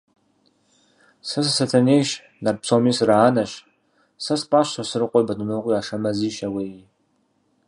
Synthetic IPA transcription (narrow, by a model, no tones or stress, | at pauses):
sas̬asatʰanejʃ | narpʰsomisraːnaʃ | saspʼaʃasɨrɨqʷʼojbadnoqʼiaʂamɐziʃawe